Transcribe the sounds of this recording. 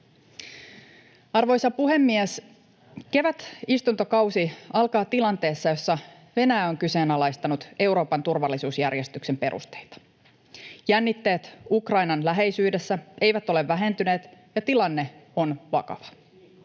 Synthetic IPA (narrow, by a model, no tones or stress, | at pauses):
ɑrʋo̞jsɑpuɦe̞mːies | ke̞ʋæt̪ist̪unt̪okɑwsiɑlkɑːt̪ilɑnt̪e̞ːsːɑjo̞sːɑ | ʋe̞næːo̞ŋkyse̞ːnɑlɑjst̪ɑnut̪e̞uwɾo̞ːpɑnt̪urʋɑlːisuːsjærje̞st̪ykse̞mpe̞ɾʔṵst̪e̞̥jt̪ɑ̥ | jænːit̪ːe̞ːt̪ukrɑjnɑnlæɦe̞jsyːde̞sːæe̞jʋæt̪o̞le̞ʋːæɦe̞nt̪yne̞ːt̪jɑt̪ilɑnːe̞o̞nʋɑ̰kɑ̰ʋɑ̥